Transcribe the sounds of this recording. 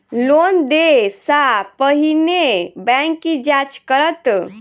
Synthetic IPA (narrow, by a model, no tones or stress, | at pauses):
lond̪esapəɦinebɛ̃ŋkːid͡ʒat͡ʃkəɾət̪